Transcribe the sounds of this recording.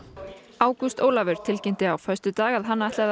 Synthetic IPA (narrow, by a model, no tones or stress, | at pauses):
aːwkust̪oːwlavʏɾ̥t̪ʰɪlcɪn̥t̪ɪawfœst̪ʏt̪aːɣaðɦanːaaht̪lɛð